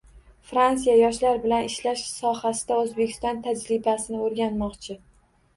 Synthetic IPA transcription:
fɾans̬ijajɒʃlaɾbɪlanɪʃlaʃsɒhasɪd̪̥aɵzbe̞kʲʰɪ̥st̪ɒnt̪ʰad͡ʒɾɪbasɪnɪoɾɡʲanmɒqt͡ʃʰɪ

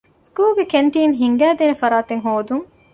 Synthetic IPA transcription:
skuːlɡekeɳʈiːnɦiŋɡæːd̪eːnefɐɾaːt̪eŋɦoːd̪uŋ

